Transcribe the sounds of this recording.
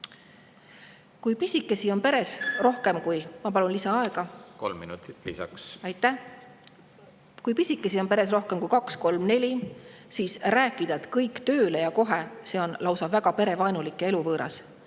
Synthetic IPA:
kujpisʲikːˑe̞sio̞npe̞ɾe̞sro̞hke̞mkujmɑpɑlunlisɑɑe̞ɡ̥ɑko̰lmːḭnṵt̪i̥t̪ːlḭsɑ̰ksɑjt̪ːˑæh | kujpisʲikːˑe̞sio̞npeɾe̞s̬ro̞hkemkujkɑksko̞lmne̞lʲi | siːsræːkːˑid̪ɑet̪kɤjkt̪ø̞ːle̞jɑko̞ɦe̞se̞o̞nlɑwsɑvæɡ̥ɑpe̞ɾe̞vɑjnulikːˑee̞luvɤːɾʔɑ̰s

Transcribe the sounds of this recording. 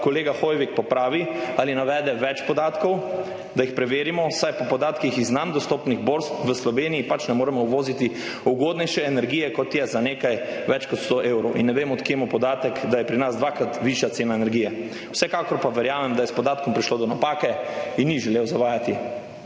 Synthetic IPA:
kɔleːɡaxojʋikpɔpɾaːʋialinaʋɛːd̪ɛʋɛt͡ʃpɔd̪aːt̪kɔw | d̪aixpɾɛʋeːɾimɔsajpɔpɔd̪aːt̪kixiznand̪ɔst̪oːpniɣboɾskʋəslɔʋeːnijipat͡ʃnɛmoːɾɛmɔwʋoːzit̪i | uɡoːd̪nɛjʃɛːnɛɾɡiːjɛkɔt̪jɛzaneːkajʋɛt͡ʃkɔt̪st̪oʔeːwɾɔwʔḭnːɛʋeːmɔt̪kemɔpɔd̪aːt̪ɛkd̪ajɛpɾinazd̪ʋaːkɾat̪ʋiʃjat̪seːnaenɛɾɡiːjɛ | wsɛkaːkɔɾpaʋɛɾjaːmɛmd̪ajɛspɔd̪aːt̪̚kɔmpɾiʃlod̪ɔnapaːkɛinːiʒɛleːwzaʋaːjat̪i

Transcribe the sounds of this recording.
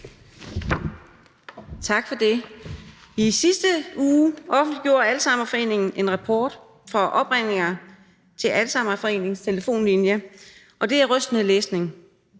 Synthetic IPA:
t͡sʰɑ̈ɡ̥fɒ̽d̥e̝ | isisd̥əuːʔɒ̽fn̩liɡ̥jo̝̰ːɐælsɑ̈m̰ɐfɒ̽e̝̰ːne̝ŋn̩ʔe̝nʁɑpʰɒːd̥ | fɒ̽ʔɒ̽b̥ʁeŋ̰e̝ŋɐ | t͡sʰe̝lʔælsɑ̈m̰ɐfɒ̽e̝̰ːne̝ŋst͡sʰe̝ləfo̝̰ːnlinjə | ʔɒ̽d̥e̝æʁœsd̥nəleːsne̝ŋ

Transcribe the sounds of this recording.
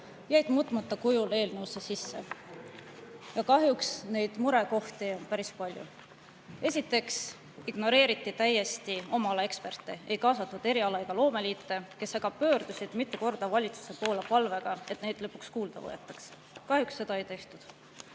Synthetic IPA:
jæjd̪̥muːt̪ːˑmɑt̪ːɑkujule̞ːlnɤwsesisːe̞̰ | jɑkɑɦjuksne̞jd̪̥muɾe̞ko̞ht̪ionpæɾispɑlʲjṵ | e̞sʲit̪ːˑe̞ks | iɡ̥no̞ɾe̞ːɾit̪ːˑit̪æjːe̞st̪io̞mɑlɑe̞kspe̞rt̪ːˑee̞jkɑːsɑt̪ːud̪̥e̞ɾiɑlɑeɡ̥ɑlo̞ːme̞liːt̪ˑːe̞ke̞sɑɡ̥ɑbpø̞ːɾd̪̥usid̪̥mit̪ːˑuko̞rd̪̥ɑvɑlʲit̪su̥se̞po̞ːlepɑlve̞ɡ̥ɑet̪ˑne̞jd̪̥lɤpːˑukskuːld̪̥ɑ̰vɤ̰jḛt̪ːˑɑ̥ks | kɑhjuksːe̞d̪ɑejt̪e̞ht̪ud̪̥

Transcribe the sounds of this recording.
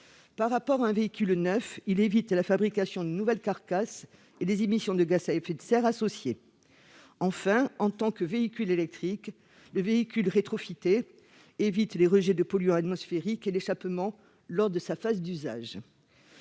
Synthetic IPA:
paʁːapɔʁaɛ̃veikʲylnœfilevit̪lafabʁikasjɔ̃d̪ənuvɛlkaʁkas | elezemisjɔ̃d̪əɡasaefɛt̪sɛʁasɔsje | ɑ̃fɛ̃ɑ̃t̪ɑ̃kəveikʲylelɛk̚t̪χik | ləveikʲylʁet̪χɔfit̪e | evit̪leʁəʒed̪əpɔlɥɔ̃at̪mɔsfeʁikeleʃapmɑ̃ | lɔʁd̪əsafazd̪yza̰ʒ

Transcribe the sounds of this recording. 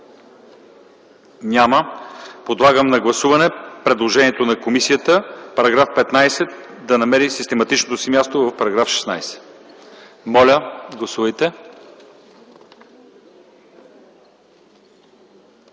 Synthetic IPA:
nʲaməpod̪lˠaɡəmnɐɡlˠɐsuvɐnɛpɾɛd̪lˠoʒɛniɛt̪onɐkomisijət̪əpɐɾɐɡɾafpɛt̪najsɛt̪̚ | d̪ɐnɐmɛɾisist̪ɛmɐt̪it͡ʃnot̪osimʲjast̪ovɐfpɐɾɐɡɾafʃɛ̥snajsɛ̥ | mɔlʲəɡlˠɐsuvəjt̪ɛ

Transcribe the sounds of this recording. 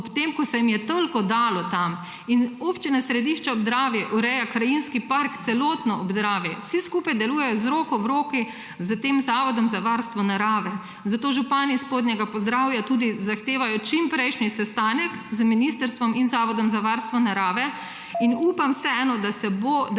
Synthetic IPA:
ɔpt̪emkɔsɛjimijɛt̪əlkɔd̪aːlɔt̪am | inopt͡ʃinasɾɛd̪iʃt͡ʃaɔbzd̪ɾaːʋjɛʔuɾɛjakɾajinskipaɾkt̪sɛloːt̪nɔɔbzɾaːʋjɛwsiskuːpajd̪ɛluːjɛjɔzɾoːkɔwɾoːki | zət̪eːmzaːʋɔd̪ɔmzaʋaɾst̪ʋɔnaɾaːʋɛ | zat̪oːʒupaːnispoːd̪nʲɛɡapɔzd̪ɾaːwjat̪uːd̪izaxt̪eːʋajɔt͡ʃimpɾɛjʃnisɛst̪aːnɛkzəminist̪əɾst̪ʋɔminzaːʋɔd̪ɔmzaʋaɾst̪ʋɔnaɾaːʋɛ | inuːpamsɛɛːnɔd̪asɛbo

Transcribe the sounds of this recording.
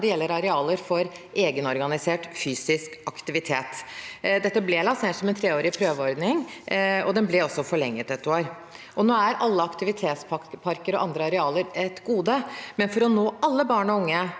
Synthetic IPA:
d̪ɛjɛlːəɾɑɾɛɑːləɾfɔɾʔeːɡənɔɾɡɑnɪseːʈfyːsɪskɑkt̪ɪʋɪt̪ʰeːt̪d̪ɛt̪ːəblɛlɑsneːʈsɔmɛnt̪ʰɾeːoːɾɪpʰɾøːʋəɔɾd̪nɪŋɔd̪ɛnblɛɔsːɔfɔɭɛŋːət̪ɛt̪ːoːɾ | ʔɔnoːæɾʔɑlːəɑkt̪ɪʋɪt̪ʰeːt̪spɑpʰɑɾkəɾɔʔɑnd̪ɾəɑɾɛɑːləɾɛt̪ɡuːd̪əmɛnfɔɾɔnoːɑlːəbɑːɳɔʊŋːə

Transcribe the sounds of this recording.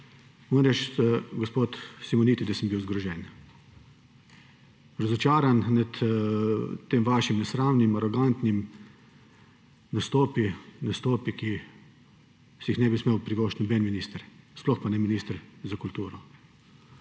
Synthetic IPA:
ɔːnɾɛt͡ʃt̪ɡospoːt̪simɔniːt̪id̪ɐsəmbiwzɡɾɔʒɛːn | ɾɐzɔt͡ʃaːɾannat̪ | t̪ːeːmʋaːʃimnɛsɾaːwnimaɾɔɡant̪nim | nast̪oːpinast̪oːpiki | sɛjixnɛbismeːwpɾiʋɔːʃt̪nɔbɛːnminiːst̪əɾsplɔxpanɛminiːst̪əɾzakult̪uːɾɔ

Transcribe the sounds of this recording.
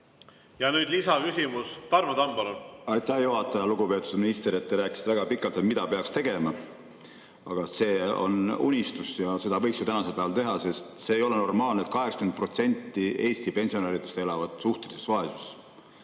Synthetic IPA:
jɑnyːd̪lisɑkysʲimust̪ɑɾmet̪ɑmbɑlonɑjt̪ːˑæhjuɦɑt̪ːˑɑjɑluɡupe̞ːt̪ːˑud̪̥minist̪eɾe̞t̪ːeɾæːkːˑi̥si̥t̪eæɡ̥ɑpikːˑɑlt̪emid̪ɑpe̞ɑkst̪e̞ɡ̥e̞mɑ | ɑɡ̥ɑse̞ːo̞̰nṵnʲist̪usjɑse̞d̪ɑvɤjksjɑt̪ænɑse̞lpæːvɑlt̪e̞ɦɑse̞st̪se̞ːjo̞le̞no̞rmɑːlnet̪̚kɑɦeksɑ̥kymenpro̞t̪se̞nʲt̪ˑːie̞ːst̪ipe̞nʲsio̞neːɾit̪e̞st̪e̞lɑvɑd̪̥suht̪e̞lise̞svɑesuses

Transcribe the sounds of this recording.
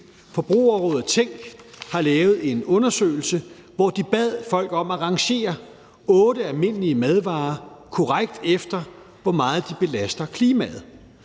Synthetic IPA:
fɒ̽b̥ʁṵːɐʁɔːð̩ˠt͡sʰeŋ̰ɡ̥hɑ̈lɛːʊð̩ˠe̝nɔ̽nɐsø̰ːɪl̩sə | ʋɒd̥ib̥ɛð̰ˠfɒ̽l̰ɡ̥ɒ̽m̰æʁɑ̈ŋɕe̝̰ːɐ | ɔ̽ːdəælme̝n̰liəmeð̞ˠʋɑ̈ːkʰɒʁaɡ̥̚d̥efd̥ɐ | ʋɒmɑ̈ːð̞̩ˠd̥ib̥e̝læsd̥ɐkʰliːmæð̞̩ˠ

